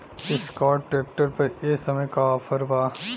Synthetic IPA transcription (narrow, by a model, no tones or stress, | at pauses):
ɪskaːʈʈːɾeːp̚ʈəɾpɐɾeːsɐməjkaɔːfʰəɾbaː